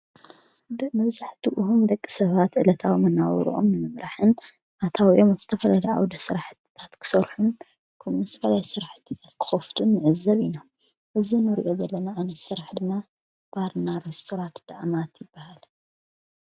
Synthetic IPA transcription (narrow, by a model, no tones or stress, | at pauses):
d̪mɨβzaħt̪ʰiʔɨɦumd̪ɐkʼːi̥sɐβat̪ʕɨlɐt̪ʰawmɨnːaw̰ɾ̰ʔo̞̰mnɨmɨmɾʔaħɨn | ʔat̪ʰawiʔo̞maft̪ʰɐfɐlalia̰wd̪ɐsɨɾaħɨt̪ːi̥t̪ʰat̪kʰɨ̥sɐɾħun | kʰɐmɨst̪ʰɐfɐlajsɨɾaħɨt̪ʰːit̪ʰat̪kʰɨ̥xɐft̪ʰunːɨʕɨzːɐβinam | ʔɨzinɨɾḭʔo̞zɐlːɐnaʕanɐt̪sɨɾaħd̪ɨmːa | b̥aɾnaɾest̪ʰoɾat̪d̪̥aʔmat̪jɪbːahal